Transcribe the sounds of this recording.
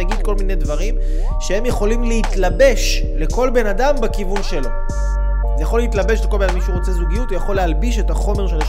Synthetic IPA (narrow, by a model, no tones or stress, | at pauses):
aɡid̪̚ko̞lminedvaʁim | ʃehe̞mjeχo̞limlehitlabe̞ʃ | le̞ko̞lbe̞nadambekivunʃe̞lo̞ | zejaχoleitlabe̞ʃleko̞lbenamiʃuʁot͡se̞zuɡijut̪jaχo̞lːeɦalbiʃe̞taχo̞meʁʃ̬el